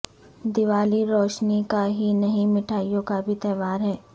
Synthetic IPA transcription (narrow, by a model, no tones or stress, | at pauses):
d̪ɪʋaːliɾɔːʃnikaɦinɐɦĩmɪʈʰaːijõkabʱit̪ɛːʋaːɾɦɛː